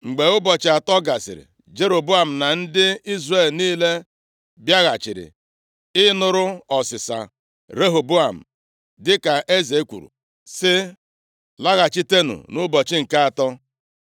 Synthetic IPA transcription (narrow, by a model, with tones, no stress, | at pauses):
ŋ͡m̩˨ɡ͡be˨ʊ˦bɔ˨t͡ʃɪ˨a˨tɔ˦ɡa˨sɪ̰˨ɾɪ̰˨ | d͡ʒe˦ɾo˨bu˦a˨m̩˨na˨n̩˦dɪ˦i˦zre˦˨lniː˦le˦ | bja˦ɣa˨t͡ʃɪ˨ɾɪ̰˨ | ɪ˦nʊ˦ɾʊ˦ɔ˨sɪ˨sa̰˨ | ɾe˦ɦo˨bu˦a˨m̩˨ | dɪ˦ka˨ʔe˦ze˨˦kʷṵ˨ɾṵ˨ | sɪ˦ | la˦ɣa˨t͡ʃi˦te˦nṵ˨nʊ˦bɔ˨t͡ʃɪ˦ŋ̩˨ka˦a˨tɔ˦